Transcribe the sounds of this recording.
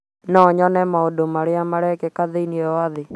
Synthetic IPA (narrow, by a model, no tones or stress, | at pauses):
nɔɲɔnɛmaodomaɾeamaɾɛkɛkaðeiniɔwaðɪ